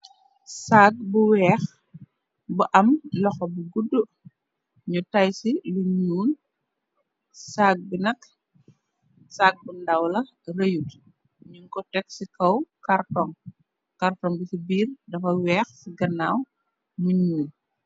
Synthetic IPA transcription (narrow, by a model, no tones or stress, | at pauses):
sak̚buwɛːx | buʔɐmlɔxɔbuɡudːu | ɲutajsiluɲuːn | saːɡ̚binɐk | saːɡ̚bundawlɐ | rəjut | ɲuŋkɔtɛksikʰɐwkartɔŋ | kartɔŋbisibiːrdɐfɐwɛːxsiɡɐnːaːw | muɲuːn